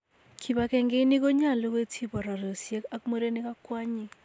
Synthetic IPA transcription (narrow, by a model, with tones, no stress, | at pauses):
kʰi˨ba˨kɛ˨ŋɡe˦ni˦k̬o˦ɲa˦˨lo˦kwe˦tʰi˦bɔ˨ɾa˨ɾo˨sje˦ka˦k̚mo˦ɾe˦ni˦ka˦kwa˦ɲi˦